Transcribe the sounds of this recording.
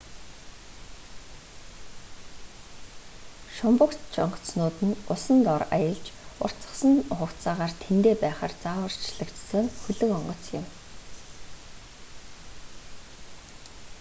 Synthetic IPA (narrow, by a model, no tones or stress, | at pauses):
ʃʊmpʊ̆kt͡ɕʰɔ̰ɴɢɞ̥̆t͡snʊːt̪ɘ̆nʊsə̆nt̪ɔɾa̰jə̆ɮt͡ɕʊ̰r̥t͡sə̥̆χsə̆nχʊkt͡saːʁaːrt̪ʰent̪eːpæːχa̰ːrt͡saːwə̆r̥t͡ɕɮə̆kt͡ssə̆ŋxɵɮɵ̆ŋɔɴɢɞ̆t͡sjɪ̆m